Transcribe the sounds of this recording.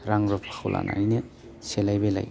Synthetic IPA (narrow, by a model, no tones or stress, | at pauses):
ɾaŋɾɔpʰḁxʰwlʔa̰nʔa̰jne | selajbela̰j